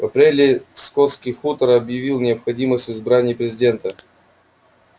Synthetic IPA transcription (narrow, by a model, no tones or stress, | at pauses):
vɐpɾʲelʲɪskot̪skʲijxut̪əɾɐbjɪvʲilˠnʲɪəpxɐdʲiməsʲtʲʊɪzbɾanʲɪjpɾʲɪzʲɪdʲe̞nt̪ə